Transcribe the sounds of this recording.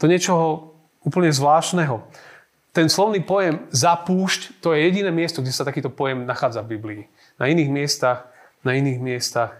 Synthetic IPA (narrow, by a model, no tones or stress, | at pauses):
t̪ɔɲɛt͡ʃɔɦɔ | uːpl̩ɲɛzʋlaːʃnɛɦɔ | t̪ɛnslɔʋniːpɔjɛmzapuːʃct̪ɔjɛjɛɟinɛːmɪɛst̪ɔɡɟɛsat̪akiːt̪ɔpɔjɛmnaxaːd͡zavbibliː | na̰iniːɣmɪɛst̪ax | nainiːɣmɪɛst̪ax